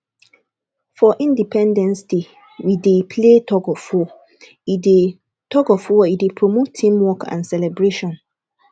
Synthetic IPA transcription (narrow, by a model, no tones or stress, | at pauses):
fɔʔĩndipʰɛ̃ndɛ̃nsde | widepʰletʰɔkɔfɔ | ide | tʰɔkɔfɔɔidepʰɹomotʰːĩmwɔkã̰nsɛlɛbɾeʃɔ̃n